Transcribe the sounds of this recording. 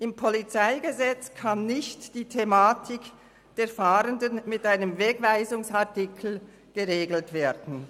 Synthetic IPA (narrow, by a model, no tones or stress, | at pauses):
ʔɪmpʰɔlit͡saɪɡəzɛt͡skʰanːɪçtd̥iːtʰemaːtʰɪk | d̥eːɐfaːʁəndənmɪtʔaɪnəmvɛɡvaɪzʊŋsaɐtɪkʰl̩ | ɡ̥əʁeːɡl̩tv̥eːɐdn̩